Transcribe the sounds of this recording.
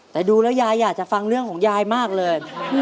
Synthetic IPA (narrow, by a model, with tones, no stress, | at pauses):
t̪ɛː˨˩duː˧lɛː˦˥wjaː˧jːaː˨˩k̚t͡ɕa˨˩fa˧ŋɾɯ˥˩əŋkʰɔː˩˦ŋjaː˧jmaː˥˩k̚lɤː˧j